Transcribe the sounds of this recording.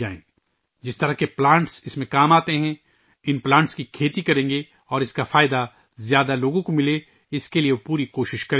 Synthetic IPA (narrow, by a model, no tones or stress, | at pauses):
aːḛ̃ | d͡ʒɪst̪ɐɾakeplãːɳʈsɪsmẽkaːmaːt̪eɦɛ̃ | ɪnplãːɳʈskikʰeːt̪ikɐɾẽːŋɡe | ɔːɾɪskafaːɪd̪a | zjaːd̪aloːɡõkomɪle | ɪskeliepuːɾikoːʃɪʃkɐɾ